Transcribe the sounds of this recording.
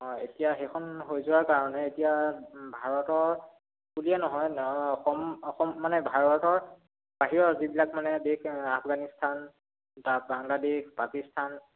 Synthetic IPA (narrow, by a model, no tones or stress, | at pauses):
ɦɔetijaxekʰɔnɦojzʊwaɹkaɹɔnɛetijabʱaɹɔtɔɹ | kulijɛnɔɦɔjxɔmɔxɔmːanɛbʱaɹɔtɔɹ | b̥aɦiɹɔɹzibilakmanɛbekapʰɡanistʰan | tabaŋladeʃpakistʰan